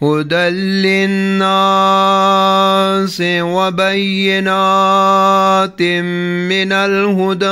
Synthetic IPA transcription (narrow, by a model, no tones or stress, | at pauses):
ɦʊd̪ɐlːɪnaː | sewɐbɐjːɪnaː | t̪ɪmː | ɪnɐlɦʊd̪